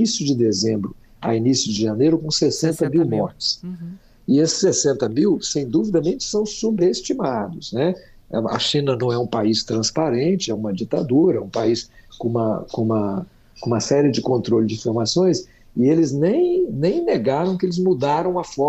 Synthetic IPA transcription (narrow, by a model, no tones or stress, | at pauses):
isjʊd͡ʒɪd̪ezẽmbɾʊ | a̰inisjʊd͡ʒɪʒanejɾʊkõsesẽnt̪ɐmiwmɔɾt͡ʃɪ̥s | ɪesɪ̥sːesẽnt̪ɐmiwsẽj̃d̪uvid̪ɐmẽnt͡ʃɪ̥sɐ̃w̃subest͡ʃimad̪ʊsnɛ | ɐ̰ʃĩnɐnɐ̃w̃ɛũpaist̪ɾɐ̃spaɾẽnt͡ʃɪɛũmɐd͡ʒit̪ad̪uɾɐɛũpaiskõũmɐ̰kõũmɐ | kõũmɐsɛɾiɪd͡ʒɪkõnt̪ɾolʊd͡ʒɪfiɾmasõj̃s | ɪelɪznẽj̃nẽj̃neɡaɾɐ̃w̃kɪelɪzmud̪aɾɐ̃w̃ɐfɔ